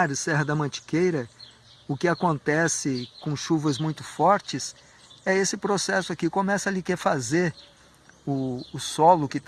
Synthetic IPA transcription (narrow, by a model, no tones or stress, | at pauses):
ɾsɛɦɐd̪ɐmɐ̃t͡ʃi̥kejɾɐ | ʊkɪakõnt̪ɛsɪkõʃuvɐzmũj̃t̪ʊfɔɾt͡ʃɪs | ɛesɪpɾosɛsʊakikomɛsɐlikefazeɾ | ʊːsɔlʊkɪt̪